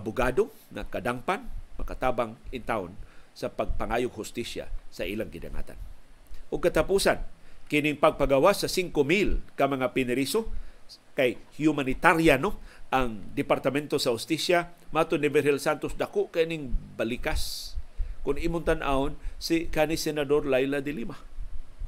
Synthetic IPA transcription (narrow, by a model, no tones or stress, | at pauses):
ʔabʊɡado | ŋakad̪aŋpanmakat̪aːbaŋɪnt̪aʊ̰nsapaɡ̚paŋajʊɡhʊst̪isja̰saʔilaŋɡɪda̰ŋa̰t̪a̰nʔʊɡ̚kːat̪apusankɪniŋpaɡ̚paɡawasasiŋkomilkamaŋapɪnɪɾiso | kajhjumanɪt̪aɾjanoʔaŋd̪ɪpaɾt̪amɛnt̪osahʊst̪isjamaʔaːt̪onːɪvɛɾɛlsant̪osd̪akoʔkaʔinɪŋbalikas | kʊnimʊnt̪anʔa̰onsikanisɛnad̪oɾlajlad̪ɪlima